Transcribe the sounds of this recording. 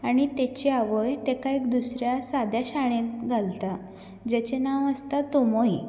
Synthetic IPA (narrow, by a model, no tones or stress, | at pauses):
aɽ̃it̪et͡ɕeaʋəjt̪ekaekd̪usɾjasad̪jaɕaɭ̃ẽt̪ɡʱalt̪a | d͡ʑet͡ɕenaʋəst̪at̪omoi